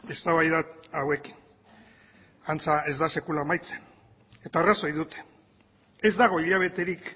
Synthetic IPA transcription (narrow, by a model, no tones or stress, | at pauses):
e̞st̪aβajðaawe̞ki̥n | ant͡sae̞zd̪ase̞kulaːmajt͡se̞̥n | e̞t̪aːraso̞jðut̪e̥ | e̞zd̪aɣ̞o̞iʎaβ̞e̞t̪e̞ɾik